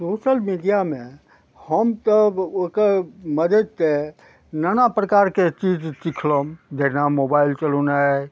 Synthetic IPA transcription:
soːʃəlmiɖijamẽ | həmt̪əbokəɾməd̪ʱəd̪̚te | nanapɾəkaɾket͡ʃid͡ʒt͡ʃikʰlomd͡ʒ̪enamobailt͡ʃəluna

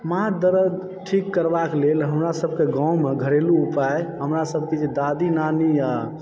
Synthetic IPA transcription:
maad̪əɾə | ʈʰikːəɾbaklelɦəmɾasəbkeɡãwmeɡʱəɾeluupaeɦəmɾasəb̚kid͡ʒed̪ad̪inanija

